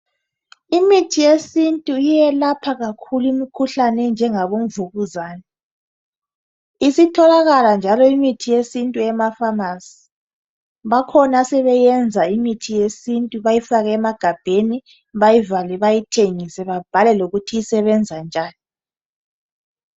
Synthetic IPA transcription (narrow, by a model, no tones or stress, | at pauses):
imitʰijesintʼuijɛlapʰaɣakʰulimikʰuɬanɛnd͡ʒʱɛŋaβom̩vuɣuzaːnɛ | isitʰɔlaɣaland͡ʒʱalɔimitʰijesintʼuɛmafamasi̥ | βakʰɔnasɛβɛjɛnd͡zʱaimitʰijesintʼuβajifaɣɛɛmaɡ̥ʱab̥ʱeni | βajivalɛβajitʰeŋisɛβab̥ʱalɛloɣutʰijisɛβɛnd͡zʱand͡ʒʱaːni